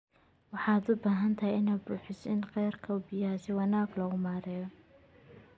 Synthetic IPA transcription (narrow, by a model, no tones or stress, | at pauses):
wɑħɑːd̪ʊbaːɦɐnt̪ʰɐhɛjɪnaːd̪buːħɪsɪnqɛjrkʰɐwbɪjasɪwɑnaːɡlɔɣʊmaːɾɛːjɔ